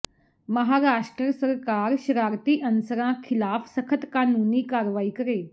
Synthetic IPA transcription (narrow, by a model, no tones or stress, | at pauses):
məɦaːɾaːʂʈɾəjəsəɾkaːɾɕɾaːɾt̪iːʔənsəɾãkʰɪlaːfsəkʰət̪kaːnuːniːkaɾʋaːiːkəɾeː